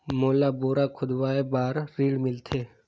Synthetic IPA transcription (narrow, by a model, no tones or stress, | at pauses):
moːlaːboːɾaːkʰʊd̪ʋaːeːbaːɾːiːɽmɪlt̪ʰeː